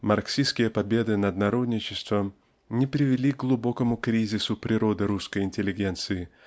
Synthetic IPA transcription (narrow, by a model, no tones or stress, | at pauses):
mɐrksʲiskʲɪjəpɐbʲe̞d̪ɨnɐd̪nɐɾo̞d̪nʲɪt͡ɕɪst̪və | nʲɪpɾʲɪvʲɪlʲik̚ɡlˠʊbo̞kəmʊkɾʲizʲɪsʊpɾʲɪɾo̞d̪ɨɾuskəjɪnʲtʲɪlʲɪɡʲe̞nt̪sɨɪ